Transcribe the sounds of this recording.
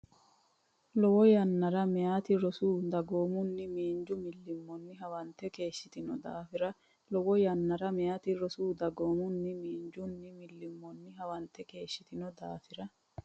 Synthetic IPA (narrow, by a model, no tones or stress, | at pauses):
lɔwɔjɐnːɐɾɐmɛjaːt̪ɪɾɔsuːd̪ɐɡo̞ːmʊnːɪmiːnd͡ʒʊmɪlːɪmːɔnːɪɦɐwɐnt̪ːɛke̞ːʃːɪt̪ɪnɔd̪a̰ːfɪɾɐ | lɔwɔjɐnːɐɾɐmɛjaːt̪ɪɾɔsuːd̪ɐɡoːmʊnːɪmiːnd͡ʒʊnːɪmɪlːɪmːɔnːɪɦɐwɐnt̪ːɛke̞ːʃːɪt̪ɪnɔd̪aːfɪɾɐ